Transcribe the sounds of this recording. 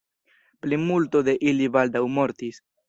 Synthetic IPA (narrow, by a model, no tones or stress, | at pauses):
plimulto̞de̞ʔilibaldawmoɾtis